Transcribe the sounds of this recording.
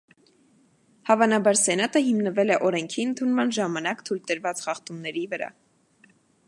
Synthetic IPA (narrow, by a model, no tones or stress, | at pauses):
hɑvɑnɑbɑɾsɛnɑt̪əɦimnəvɛlɛʔɔɾɛŋkʰiənt̪ʰunmɑnʒɑmɑnɑkt̪ʰujlt̪əɾvɑt͡sχɑχt̪umnɛɾivəɾɑ̰